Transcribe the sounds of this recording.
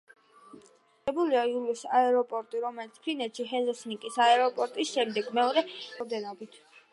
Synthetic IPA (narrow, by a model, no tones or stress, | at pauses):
ɛbuliauɾɛsaɛɾɔpʼɔɾt̪ʼiɾɔmɛlit̪sʰpʰɾinɛt̪ʃiɦɛzɔsnikʼisaɛɾɔpʼɔɾt̪ʼisʃɛmd̪ɛɡmɛɔɾɛvd̪ɛnɔbit̪ʰ